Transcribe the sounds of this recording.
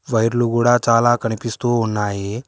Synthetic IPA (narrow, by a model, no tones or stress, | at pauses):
ʋəjɾluɡuɽat͡salakaɽ̃ipist̪oɦonːaje